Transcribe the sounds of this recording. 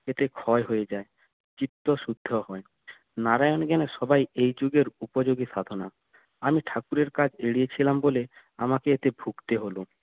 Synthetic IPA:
et̪ekʰɔeɦojed͡ʑae | t͡ɕit̪ːoʃud̪ʱːohɔe | naɾajonɡɛneʃɔbajejd͡ʑuɡeɾupod͡ʑoɡit̪ad̪ʱona̰ | amiʈʰakuɾeɾkad͡ʑeɽiet͡ɕʰilambole | amakeet̪ebʱuɡt̪eɦolo

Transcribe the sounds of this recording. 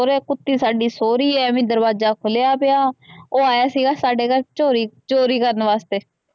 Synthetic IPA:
ɾɛːkʊt̪ːiːsaːɖiːsoːɾiːɛːmɪ̃ːd̪əɾbaːd͡ʒaːkʰʊlejaːpɪjaːoːaːjaːsiːɡaːsaːɖeːkəɾt͡ʃoːɾiːt͡ʃoːɾiːkəɾənʋaːst̪eː

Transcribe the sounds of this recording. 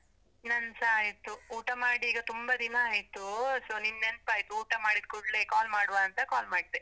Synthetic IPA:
nɐnsaːjt̪uuːʈɐmaːɽiːɡɐt̪umbɐd̪inɐaːjt̪usoːninːenpaːjt̪uːʈɐmaːɽid̪̚kɔɽlekaːlmaːɽʋaɐnt̪ɐkaːlmaːɖ̚t̪e

